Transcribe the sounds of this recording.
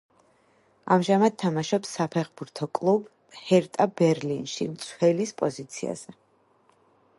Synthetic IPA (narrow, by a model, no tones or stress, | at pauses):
amʒamad̪̚t̪ʰːamaʃɔpsːapʰɛχbuɾt̪ʰɔkʼlˠub | hɛɾt̪ʼabɛɾlinʃimt̪sʰwɛlispʼɔzit̪sʰia̰z̥ɛ